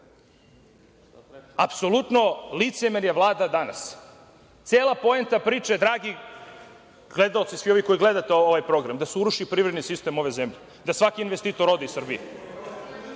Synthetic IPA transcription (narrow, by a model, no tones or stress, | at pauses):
apso̞lut̪nolit̪semenjeʋlˠaːd̪ad̪ana̰s | t̪seːlˠapo̞ent̪apɾiːt͡ʃaed̪ɾaːɡi | ɡle̞d̪ao̞t̪sisʋio̞ʋiko̞iɡle̞d̪at̪eoʋajpɾo̞ɡɾamd̪aseuɾuʃipɾivɾed̪nisist̪e̞mo̞ʋe̞zemʎe | d̪asʋakiinʋest̪iːt̪o̞ɾo̞d̪isr̩bḭje